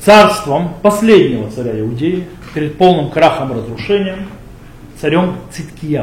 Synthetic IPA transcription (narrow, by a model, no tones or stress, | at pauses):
t̪sarst̪vəmpɐsʲlʲedʲnʲɪvət̪sɐɾʲæɪʊdʲejɪ | pʲɪɾʲɪt̪̚po̞lˠnɨmkɾaxəmɾəzɾʊʂɛnʲɪjəm | t̪sɐɾʲomt̪sɨt̪ʲkʲɪja